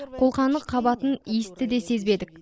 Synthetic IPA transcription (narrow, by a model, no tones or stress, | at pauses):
qʰo̞lˠqɑnd̪əqʰːɑbɑt̪ənest̪ɪd̪e̞se̞zbe̞d̪ɪk̚